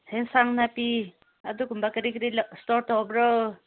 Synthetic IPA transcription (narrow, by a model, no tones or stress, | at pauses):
hensaŋnapi | adukumbakɾikɾilstɔɾtɔbɾɔ